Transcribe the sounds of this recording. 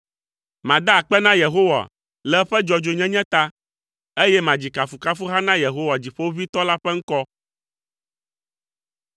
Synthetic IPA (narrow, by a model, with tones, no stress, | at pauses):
mã˨d̪a˦˨k͡pɛ˦nã˦je˨ɦo˦wa̰˨ | lɛ˦ɸɛ˦d͡ʒɔ˨d͡ʒo˨ɲɛ̃˦ɲɛ̃˦t̪a˦ | e˦jɛ˦mã˨d͡ʑi˨ka˨fu˨ka˦fu˦ɦa˦nã˦je˨ɦo˦wa˨d͡ʑi˨ɸo˦wo˦vi˦t̪ɔ˦la˦ɸɛ˦ŋ̩˦kɔ˦